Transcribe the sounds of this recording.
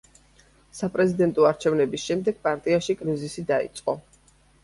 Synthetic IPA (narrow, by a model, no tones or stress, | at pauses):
sapʼɾɛzid̪ɛnt̪ʼɔaɾt͡ʃʰɛvnɛbisʃɛmd̪ɛɡ̥̚pʼaɾt̪ʼiaʃikʼɾizisid̪aḭt̪sʼqʼɔ